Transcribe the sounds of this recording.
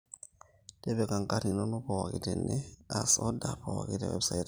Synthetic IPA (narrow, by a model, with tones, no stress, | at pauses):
tɛ˦bɛ˨ka˨ŋka˦ni˨nɔ˦nɔ˦pa˨wa˨ki˦tɛ˨nʔɛ˦a˨sɔ˦da˨pa˨wa̰˨ki˦tɛ̰˨wɛ̰˦bsa˦it